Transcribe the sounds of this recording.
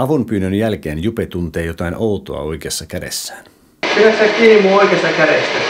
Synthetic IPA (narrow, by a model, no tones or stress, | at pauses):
ɑʋumpyːnːønjælkeːnjupet̪unt̪eːjo̞t̪ɑinout̪o̰ɑ̰o̞ikeɑsːɑkædḛsːæːn | kilæst̪ækiːmuoikest̪ɑkæɾesːæ